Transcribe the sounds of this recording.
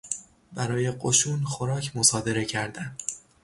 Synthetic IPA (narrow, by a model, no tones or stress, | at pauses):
bæɾɒːje̞ɢoʃuːnxo̞ɾɒːcʰmo̞sɒːd̪e̞ɾe̞cʰæɾd̪æm